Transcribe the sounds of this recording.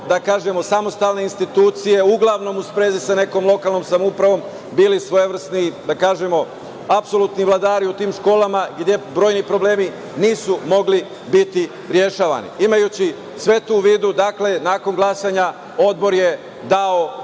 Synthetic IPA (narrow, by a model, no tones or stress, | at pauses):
d̪akaːʒe̞mo̞samo̞st̪alne̞inst̪it̪uːt̪sije̞uɡlˠaʋno̞muspɾeːzisane̞ko̞mlˠo̞kalˠno̞ːmsamoupɾaʋo̞ːm | biːlisʋo̞jeʋr̩snid̪akaːʒemo̞ | apso̞lˠut̪niʋlˠad̪aːɾiut̪iːmʃko̞ːlamaɡd̪ʲje̞bɾo̞ːjnipɾo̞ble̞ːmi | niːsumo̞ɡli | bit̪i | ɾje̞ʃaːʋa̰nḭimajut͡ɕi | sʋe̞t̪uːʋiːd̪ud̪akle̞naːko̞nɡlˠasaɲa | o̞d̪bo̞ɾje | d̪ao